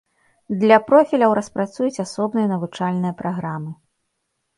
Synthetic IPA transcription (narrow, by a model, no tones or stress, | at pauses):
d̪lʲɐpɾɔfʲilʲɐwɾɐspɾat̪sujut͡sʲasɔbnɨjɐnɐvut͡ʂalʲnɨjɐpɾʔaɣɾamɨ